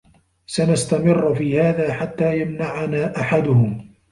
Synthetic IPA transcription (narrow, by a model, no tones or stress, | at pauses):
sanast̪amɪrːfiːhaːðaːħat̪ːaːjamnaʕanaːʔaħad̪ʊhʊm